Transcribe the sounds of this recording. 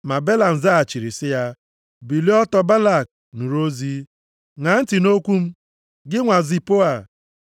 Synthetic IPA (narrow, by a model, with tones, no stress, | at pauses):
ma˨be˦la˨n̩˨za˦a˨t͡ʃi˨ɾi˨sɪ˦ja˦ | bi˨li˦ɔ˦tɔ˦ba˦la˦˨k̚ | nu˨ɾo˦zi˦ | ŋa˨˦n̩˦tɪ˨no˦kʷu˦m̩˦ | ɡɪ˦ŋʷa˨zi˨po˦a˨